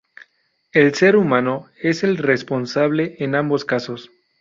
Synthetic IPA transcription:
elseɾumãnoe̞se̞lrespo̞nsaβ̞le̞ːnãmbo̞skasos

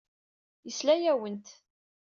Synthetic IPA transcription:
jəslæjæwənt̪

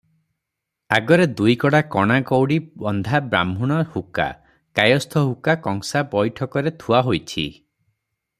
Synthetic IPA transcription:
aɡɔɾed̪ujkɔɽakɔɽ̃akɔwɽibɔnd̪ʱabɾa̰mʱuɽ̃ɔhuka̰ | kajɔst̪ʰɔɦukakɔŋsabɔjʈʰɔkɔɾet̪ʰuaɦojt͡ʃʰḭ

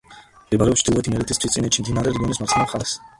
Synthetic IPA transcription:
libaɾɛɔpst͡ʃʰd̪̥ilˠɔɛt̪ʰimɛɾɛt̪ʰist̪ʰwistsʼinɛt̪t͡ʃʰːimd̪inaɾɛɾɡɔnismaɾt̪ʰnɛχas

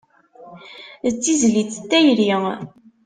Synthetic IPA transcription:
ət͡sːizlit͡sːt̪ːæjɾi

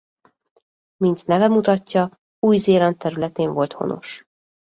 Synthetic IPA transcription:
mint̪nɛvɛmut̪ɒcːɒ | uːjzeːlɒnt̪ːɛɾylɛt̪eːɱvo̞lt̪ho̞̰no̞̰ʃ

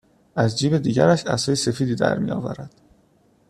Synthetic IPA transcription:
ʔæzd͡ʒiːbe̞d̪iːɟæɾæʃæ̰sɒːjese̞fiːd̪iːd̪æ̰ɾmḭjɒ̰ːvæ̰ɾæd̪̥

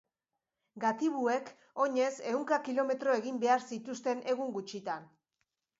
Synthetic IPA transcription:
ɡat̪iβue̞k | o̞ɲe̞se̞wŋkakilo̞me̞t̪ɾo̞e̞ɣimbe̞aɾsit̪ust̪e̞nʔe̞ɣuŋɡut͡ʃit̪an

